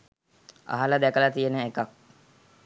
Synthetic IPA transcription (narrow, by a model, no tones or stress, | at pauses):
a̰ɦaləd̪ækəlat̪ijenəekak̚